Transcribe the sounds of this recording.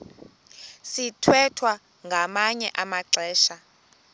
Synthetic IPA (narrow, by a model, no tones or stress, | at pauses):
sitʰwɛtʰwa | ŋɡʱamaɲɛʔamaǀɛːʃa